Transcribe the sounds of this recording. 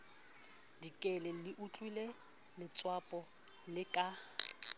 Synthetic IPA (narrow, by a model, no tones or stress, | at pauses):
dikʼɛlɛliʔut͡ɬʼile | lɪt͡sʼwapʼɔ | lɪkʼa